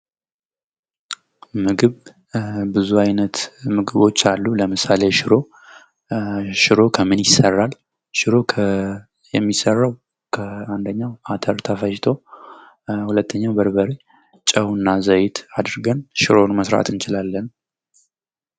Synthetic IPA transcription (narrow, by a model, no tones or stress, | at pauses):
mɨɡɨβ | bɨzuajnət̪mɨɡɨβo̞t͡ʃːalːuləmɨsale̞ʃɪɾo̞ | ʃɪɾo̞kʰəmɨnjɪsːərːal | ʃɪɾo̞kʰə | jɛmːisərːaw | kʰəand̪əɲːawat̪ʰəɾt̪ʰəfəʃt̪ʰo | hulət̪ʰːəɲːawbəɾbəɾe | t͡ʃʼəwnːazəjɪt̪ʰad̪ɨɾɡənʃɪɾo̞nməsɾa̰t̪ʰɨnt͡ʃɪlalːən